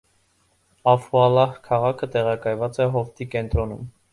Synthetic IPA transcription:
ɑfuɑlɑhkʰɑʁɑkʰət̪ɛʁɑkɑjvɑt͡sɛɦɔft̪ʰikɛnt̪ɾɔnum

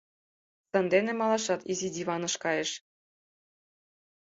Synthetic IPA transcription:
sɤ̆nd̪enĕmɑlˠɑʃɑt̪izid̪ʲiβɑnɤ̆ʃkɑjeʃ

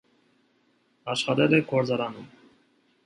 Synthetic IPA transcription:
ɑʃχɑt̪ɛlɛɡʰɔɾd͡zɑɾɑnum

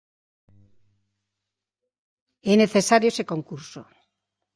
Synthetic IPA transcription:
eneθesaɾjoesekoŋkuɾso̰

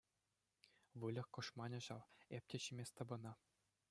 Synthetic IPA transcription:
ʋɯlʲɤ̆χkɤ̆ʂmɑnʲɤ̆ʑɑʋep̚ʲtʲĕɕimʲesʲt̪ɑ̆bɤ̆nɑ

